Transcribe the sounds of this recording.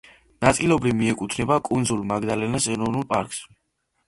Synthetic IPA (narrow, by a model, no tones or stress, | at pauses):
nat̪sʼilɔbɾivmiɛkʼut̪ʰnɛbakʼund̪zulˠmaɡd̪alɛnasɛɾɔvnulˠpʼa̰ɾkʼs